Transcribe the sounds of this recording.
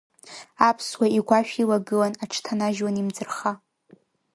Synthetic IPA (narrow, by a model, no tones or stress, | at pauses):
apʰswaiɡʷaʃᶣilaɡɨlanaʈ͡ʂʰtʰanaʒwanimd͡zɨrχa